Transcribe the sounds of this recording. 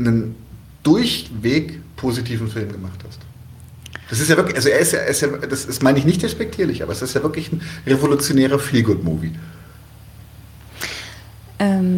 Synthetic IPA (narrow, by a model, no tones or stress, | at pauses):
nən | d̥ʊɐçveːkpʰoːzitʰiːvn̩fɪlːimɡəmaχthast | d̥as̬ɪstjaːvɪɐkʔalzoeːɐɪstja̰ːʔeɐɪstjaːd̥asasmaɪnəɪçnɪçt̚d̥ɛspɛk̚tʰiːɐlɪçʔa̰ːbɐɛsɪstjaːvɪɐklɪçn̩ʁevolut͡sjoneːʁ̞ɐfiːlɡʊtmṵːvḭ | ʔɛm